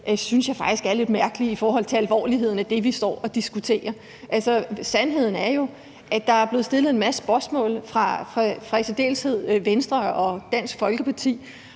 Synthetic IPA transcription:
synsjɑ̈ɪfɑ̈ɡ̥isɡ̥æɐle̝d̥mæɐɡ̥əliifɒːɦɒ̽l̰t͡sʰe̝ælʋɒ̰ːliɦe̝ð̞̰ˠn̩æd̥e̝ʋisd̥ɒ̰ːɒ̽d̥isɡ̥ut͡sʰe̝̰ːɐ | ʔælsɒsænɦe̝ð̞̰ˠn̩æɐjo̝ | ʔæd̥ɑ̈æɐb̥le̝ð̩ˠsd̥e̝lð̩ˠe̝nmæsə̥b̥ɶɐsmɔ̰̽ːlfʁɑ̈fʁɑ̈fʁɑ̈et͡sʰed̥e̝̰ːlshe̝ð̞̰ˠʋensd̥ʁɐɒ̽d̥æn̰sɡ̥fɒ̽lɡ̥əpʰɑ̈t͡sʰḭː

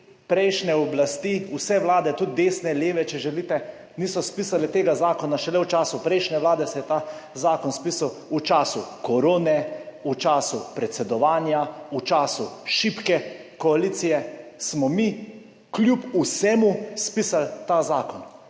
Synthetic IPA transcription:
pɾɛjʃnɛɔblast̪iːusɛʋlaːd̪ɛt̪ut̪̚d̪eːsnɛleːʋɛt͡ʃɛʒɛliːt̪ɛ | niːsɔspiːsalɛt̪eːɡazaːkɔnaʃɛlɛwt͡ʃaːsupɾɛjʃnɛʋlaːd̪ɛsɛjɛt̪azaːkɔnspiːsawut͡ʃaːsukɔɾoːnɛut͡ʃaːsupɾɛt̪sɛd̪ɔʋaːnjaut͡ʃaːsuʃipkɛkɔaliːt̪sijɛsmɔmi | klʲjupusɛmuspiːsalt̪azaːkɔn

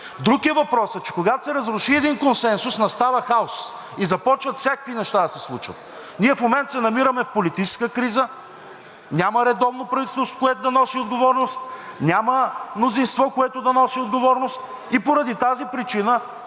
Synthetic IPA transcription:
d̪ɾukiəvɐpɾɔsɛt͡ʃɛ̥koɡat̪o̥sɛɾɐzɾʊʃiɛd̪inkonsɛnsʊsnɐst̪avəxaos | izɐpɔt͡ʃvət̪fsʲakəkvinɛʃt̪ad̪ɐsɛslˠut͡ʃvə̰t̪̚ | nʲiɛfmomɛnt̪sɛnɐmiɾəmɛfpolit̪it͡ʃɛ̥skəkɾizə | nʲaməɾɛd̪ɔvnopɾɐvit̪ɛst̪so̥kʊɛt̪ʊd̪ɐnɔsiod̪ɡovɔɾnost̪̚nʲaməmnozinst̪vɔkoɛt̪ʊd̪ɐnɔsiod̪ɡovɔɾnost̪ | ipoɾɐd̪it̪azipɾit͡ʃinə

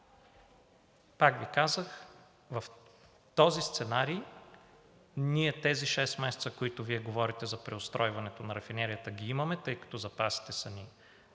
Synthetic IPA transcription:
pakvikazəx | vɐf | t̪ɔzist̪sɛnaɾi | niɛt̪ɛziʃɛst̪mɛsɛ̥t̪səkoit̪ʊviɛɡovɔɾit̪ɛzɐpɾɛost̪ɾɔjvɐnɛt̪onɐɾɐfinɛɾijət̪əɡʲiimɐmɛt̪ɤjkɐ̥t̪ɔzɐpasi̥t̪ɛsɐni

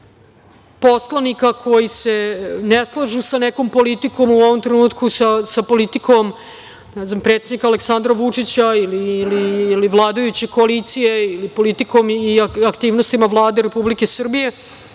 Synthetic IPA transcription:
po̞slˠanikakʰo̞jise̞neslˠaʒusaneko̞mpo̞lit̪iko̞muoʋomt̪ɾenuːt̪kusasapo̞lit̪ikʰo̞m | nɛznampɾet̪sed̪nikaleksand̪ɾaʋut͡ʂit͡ɕailiːliːliʋlˠaːd̪ajut͡ɕeko̞alit̪sijeilipo̞lit̪iko̞miaakt̪iːʋnost̪imaʋlˠaːd̪eɾe̞publike̞sr̩bije̞

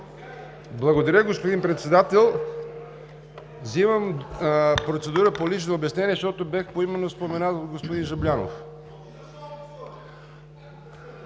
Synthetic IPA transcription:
blˠɐɡod̪ɐɾʲəɡospod̪inpɾɛt̪sɛd̪at̪ɛlˠ | zivəm | pɾot̪sɛd̪uɾəpolit͡ʃnoːbʲɛsnɛniɛʃt̪ɔt̪obʲaxpoimɛnːospomɛnat̪ot̪ɡospod̪inʒɐblʲano̰f

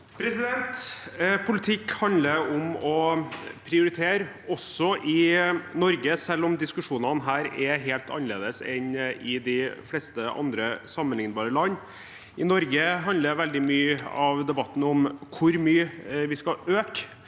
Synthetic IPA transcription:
pʰɾɛsɪd̪ɛnt̪pʰʊlɪt̪ʰɪkhɑnd̪ləɾɔmɔpʰɾɪʊɾɪt̪ʰeːɾ | ɔsːɔʔɪnɔɾɡəsɛlːɔmd̪ɪskʉʂuːnənɦæːɾɛɦeːlt̪ʰɑ̰nəleːd̪əsɛnɪd̪ɪflɛst̪əʔɑ̰nd̪ɾəsɑmːənhɪŋnbɑːɾəlɑnː | ɪnɔɾɡəɦɑnd̪əɾʋɛld̪ɪmyːɑʋd̪ɛbɑt̪ːn̩ɔmkʰʊɾmyːʋɪskɑøːk

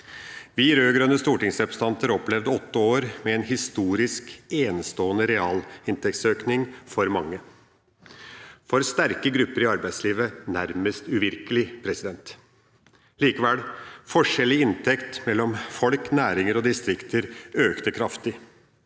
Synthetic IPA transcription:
ʋiːɾøːɡɾœnːəst̪uːʈɪŋsɛbst̪ɑnt̪əɾɔplɛʋd̪əɔt̪ːəoːɾmɛɛːnhɪst̪uːɾɪskeːnst̪oːənəɾɛɑːlɪnt̪ʰɛkt̪søːknɪŋfɔɾmɑŋːə | fɔɾst̪æɾkəɡɾʉpːəɾɪɑɾbæɪd̪sliːʋənæɾməst̪ʉʋɪɾkəlɪpʰɾɛsɪd̪ɛnt̪ | liːkəʋɛlfɔʂɛlːɪɪnt̪ʰɛkt̪mɛlːɔmfɔlknæːɾɪŋəɾɔd̪ɪst̪ɾɪkt̪ʰəɾøːkt̪əkʰɾɑft̪ɪ

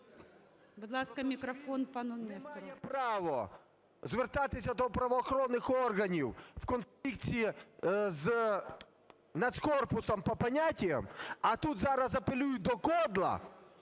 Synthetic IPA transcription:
bʊd̪lˠaskɐmʲɪkɾɐfonpɐnɔnɛst̪ɐɛpɾɑʋɔ | zʋert̪at̪ɪsʲɐd̪ɔpɾɐʋɔːxɔɾɔnːɪxɔrɣɐnʲiww̥kɔnflʲikt͡sʲiiz | nɐd̪skɔrpʊsɔmpɔpɐnʲatʲijɐ̰mɐt̪ut̪zɑɾɐzɐpelʲujʊd̪ɔkɔd̪lˠɐ̰

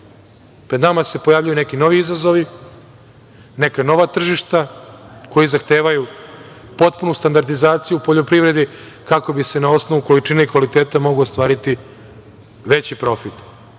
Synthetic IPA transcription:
pɾed̪namase̞po̞jaːvʎajunekino̞ʋiizazo̞ʋi | ne̞kano̞ʋat̪r̩ʒiʃt̪ako̞jizaxt̪eːʋaju | po̞t̪̚punust̪and̪aɾd̪izaːt̪sijuːpo̞ʎopɾiʋɾe̞d̪i | kako̞bise̞nao̞sno̞ʋuko̞lit͡ʂineikʋalit̪eːt̪amo̞ɡluost̪ʋaːɾit̪i | ʋet͡ɕipɾo̞fit̪

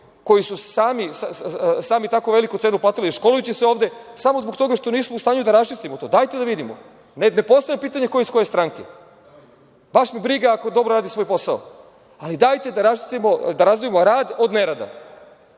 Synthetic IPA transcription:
ko̞jisusaːmisasaːmit̪akoʋe̞likut̪senuplat̪iliʃko̞lujut͡ɕiseo̞ːʋd̪e̞samozbokt̪o̞ɡaʃt̪o̞niːsmoust̪aːɲud̪aɾast͡ʃist̪imot̪oːd̪aːjt̪ed̪aʋid̪imo̰ | nene̞po̞st̪ajepiːt̪aɲe̞ko̞jeisko̞je̞st̪ɾaŋke | baʃmibɾiɡaako̞d̪o̞bɾoɾaːd̪isʋo̞jpo̞sao̰ | alid̪aːjt̪e̞d̪aɾast͡ʃi̥st̪imod̪aɾazd̪iemo̞ɾaːd̪o̞d̪neɾad̪a̰

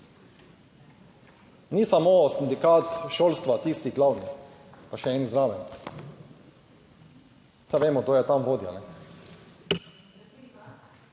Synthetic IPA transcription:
niːsamoːsind̪ikaːt̪ʃoːlst̪ʋat̪iːst̪iɣɡlawnis | paʃɛɛːnizɾaːʋɛn | sajʋeːmɔɡd̪oːjɛt̪amʋoːd̪ja̰nɛ

